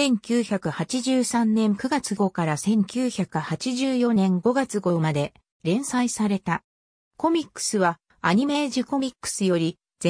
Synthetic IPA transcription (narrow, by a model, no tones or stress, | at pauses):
ẽ̞ŋkʲɨːçakɯ̟hat͡ɕiʑɨːsãnnẽ̞ŋkɯ̟ɡat͡sɨɡo̞kaɾasẽ̞ŋkʲɨːçakɯ̟hat͡ɕiʑɨːjo̞nẽ̞ŋɡo̞ɡat͡sɨɡo̞mad̪e̞ | ɾẽ̞ɰ̃saisaɾe̞t̪a | ko̞mʲikːɯ̥sɨβa | aɲ̟ime̞ʑiko̞mʲikːɯ̟̥sɨjo̞ɾʲi | d͡ze